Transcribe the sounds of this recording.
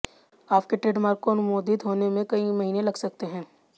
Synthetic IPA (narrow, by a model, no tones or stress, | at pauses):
aːp̚keʈɾeːɖmaːɾkkonʊmoːd̪ɪd̪ɦoːnemẽkɐimɐɦiːnẽlɐɡsɐk̚t̪eɦɛ̃ː